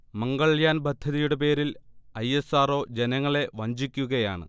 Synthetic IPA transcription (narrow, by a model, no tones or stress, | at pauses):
mɐŋɡɐɭjaːnbʱɐd̪ʱjɐðijuɽep̬e̞ːɾilɐje̞saːro̞ːd͡ʑenɐŋːɐɭe̞ʋɐɲd͡ʑikʲːuɣɐjaːɳɨ̰